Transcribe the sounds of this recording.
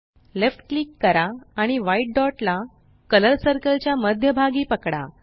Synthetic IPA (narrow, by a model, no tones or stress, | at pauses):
lefʈ̚klikːəɾaːɽ̃iʋaiʈ̚ɖɔʈla | kələɾsəɾkəlt͡ɕjaməd̪ʱjəbʱaɡiːpəkɽa̰